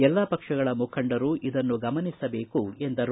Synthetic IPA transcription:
ɛlːapɐkʂɐɡɐɭɐmukʰɐɳɖɐɾuʔid̪ɐnːuɡɐmɐnisɐbe̞ːkuend̪ɐɾ

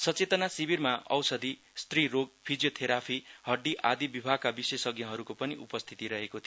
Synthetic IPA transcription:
sʌt͡set̪ʌnasibirmaʌ̰wsʌd̪i | st̪riɾoɡ̚pʰid͡zijot̪ʰeɾapʰihʌɖːiʔad̪ibibʱaɡ̚kabisesʌɡjʌ̃ɦʌɾukopʌniʔṵpʌst̪ʰit̪iɾʌɦekot̪ʰ

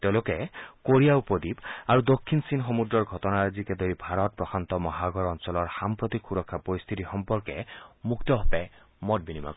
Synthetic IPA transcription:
t̪eʊ̃lokɛkoɹijaupod̪ipaɹud̪okʰːinsinxomudɹɔɹɡʱɔtɔnaɹzikɛd̪oɹibʱaɹɔt̚pɹɔxʰant̪ɔmɔɦaɡɔɹɔnsɔlɔɹxampɹot̪ikʰxuɾɔkʰːapoɹist̪ʰit̪ixɔmpɔɹkɛmukt̪ɔɦɔpɛ | mɔt̚binima̰k

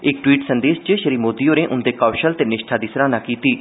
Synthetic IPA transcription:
ɪk̚ʈwiːʈsənd̪eːʃt͡ʃəʃəɾiːmoːd̪iːjoːnẽːʔʊnd̪eːkaːʃəlt̪enɪʃʈʰaːd̪isɾãːnãːkiːt̪iː

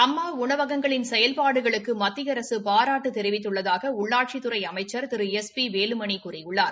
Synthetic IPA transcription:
ɐmːaːʊɳɐʋɐɣɐŋɡɐɭɪnsɛjɐlpaːɽɯɣɐɭɯkːɯmɐt̪ːɪɣɐɾɐsɯpaːɾaːʈːɯt̪ɛɾɪʋɪt̪ːɯɭːɐðaːɣɐʊɭːaːʈ̚t͡ʃit̪ɯɾɐɪɐmɐɪt͡ʃːɐɾt̪ɪɾɯɛspiʋeːlɯmɐɳikuːrɪjʊɭːaːɾ

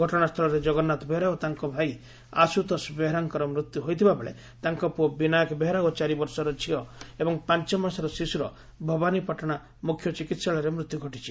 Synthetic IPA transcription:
ɡʱɔʈɔɽ̃ast̪ʰɔɭɔɾed͡ʒɔɡɔnːat̪ɔbeɦɾaɔt̪aŋkɔbʱaj | a̰sut̪ɔsbeɦɾaŋkɔɾɔmɾut̪juɦojt̪ʰibabeɭḛ | t̪aŋkɔpuɔbinajkɔbeɦɾaɡɔt͡ʃaɾibɔɾsɔɾɔt͡ʃʰiɔebɔŋpant͡ʃɔmansaɾɔsisuɾɔ̰ | bʱɔbanipɔʈɔɽ̃a | mukʰjɔt͡ʃikit̪saɭɔɾemɾut̪juɡʱɔʈit͡ʃʰi̥

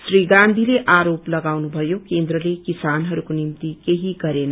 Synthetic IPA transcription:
sɾiɡãnd̪ʱileʔaɾoplʌɡawnubʱʌjokend̪ɾəlekisanɦʌɾukonimt̪ikeɦiɡʌɾen

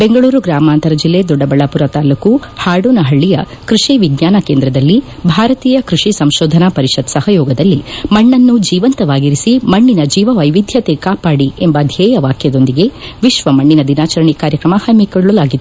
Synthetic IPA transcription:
be̞ŋɡɐɭuːɾuɡɾaːmaːnt̪ɐɾɐd͡ʒilːe̞ːd̪ɔɖɐbɐɭapuɾɐt̪aːlukuhaːɽunɐɦɐɭːijɐ̰ | kɾuʂiʋiɡɲaːnɐkeːnd̪ɾɐd̪ɐlːibʱaːɾɐt̪iːjɐkɾuʂisɐmʃɔːd̪ʱɐnapɐɾiʃɐt̪sɐhɐjɔːɡɐd̪ɐlːimɐɳːɐnːud͡ʒiːʋɐnt̪ɐʋaːɡiɾisimɐɳːinɐd͡ʒiːʋɐʋɐjʋid̪ʱjɐt̪ekaːpaːɽiembɐd̪ʱjɛːjɐʋaːkʰjɐd̪o̞nd̪iɡe̞ʋiʃʋɐmɐɳːinɐd̪inaːt͡ʃɐɾɐɳikaːɾjɐkɾɐmɐhɐmːikɔɭɭulaːɡid̪ːu

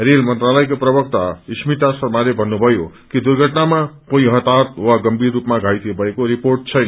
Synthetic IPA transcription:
relmʌnt̪ralʌjk̬oprʌbʌk̚t̪aismit̪asʌrmalebʱʌnːubʱʌjo | kid̪urɡʱʌʈnamakõĩɦʌt̪at̪̚waɡʌmbʱirːupmaɡʱajt̪ebʱʌekoɾiporʈ̚t͡sʰʌjna

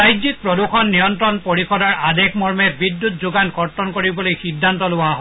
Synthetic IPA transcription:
ajzik̚pɹɔdukɔnːijɔntɹɔnpoɹikʰɔdɔɹadɛkmɔɹmɛtbidːut̚zuɡankɔɹtɔnkoɹibɔlojxidʱːantɔlʊwaɦɔ

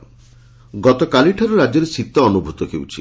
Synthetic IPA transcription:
ɡɔt̪ɔkaliʈʰaɾuɾad͡ʒɔɾesit̪ːɔɔnubʱut̪ɔkewt͡ʃʰi

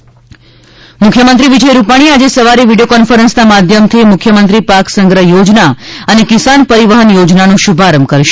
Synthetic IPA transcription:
mʊkʰjəmənt̪ɾiʋid͡ʒəjɾupaɽ̃iad͡ʒesəʋaɾiʋiɖijokɔnfəɾənsnamad̪ʱjəmt̪ʰimʊkʰjəmənt̪ɾipaksəŋɡɾəjod͡ʒnaənekɪsanpəɾiʋəɦənjod͡ʒnanũʃubʱaɾəmkəɾʃe

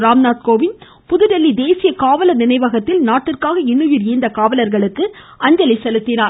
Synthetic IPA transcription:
ɾaːmnaːt̪̚koːʋɪn | pʊðɯɾɐlːid̪eːsɪjɐkaːʋɐlɐnɪnɐɪʋɐɣɐt̪ːɪlnaːʈːɪrkaːɣɐɪnːɯjɪɾjɪːnd̪ɐkaːʋɐlɐɾɣɐɭɯkːɯ | ɐɲd͡ʒɐlɪsɛlɯt̪ːɪnaːɾ

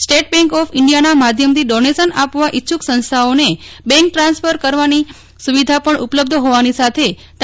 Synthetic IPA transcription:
sʈeʈ̚bɛ̃ŋkɔfʰɪɳɖijanamad̪ʱjəmt̪ʰiɖɔnesənapʋaʔitːʃʰuksə̃nst̪ʰaonebɛ̃ŋk̚ʈɾãnsfəɾkəɾʋani | suʋid̪ʱapəɳupləb̚d̪ʱɦoʋanisat̪ʰe | t̪

